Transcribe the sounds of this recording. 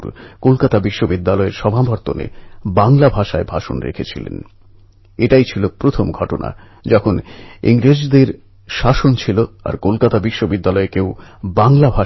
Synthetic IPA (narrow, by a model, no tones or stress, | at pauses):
ɾkolkat̪abiʃːobid̪ːalɔeɾʃɔbʱabʱaɾt̪onḛbaŋlabʱaʃaebʱaʃo̰nɾḛkʰet͡ɕʰilḛn | eʈajt͡ɕʰilopɾot̪ʰomɡʱɔʈona̰ | d͡ʑɔkʰonḭŋɾed͡ʑd̪eɾ | ʃaʃont͡ɕʰiloa̰ɾkolkat̪abiʃːobid̪ːalɔekewbaŋlabʱa